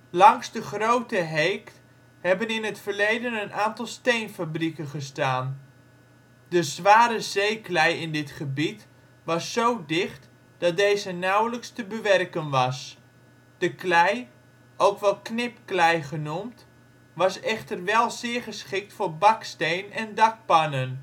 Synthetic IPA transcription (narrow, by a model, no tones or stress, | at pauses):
lɑŋzdəχrowtəɦejkt | hɛbənɪnətfərlejdənənaːntɑlˠstejnfabrikənχəstaːn | d̥əzʋaːɾəzejklɛjɪndɪtχəbit | ʋɑsːowdɪχt | d̥ɑt̚dejzənawləkstəbəʋɛrkənʋɑs | d̥əklɛj | ʔowkʋɛlˠknɪpklɛjχənumt | ʋɑsɛχtərʋɛlˠzɪːɹχəsχɪk̚tfʊːɹbɑkstejnɛndɑk̚pɑnən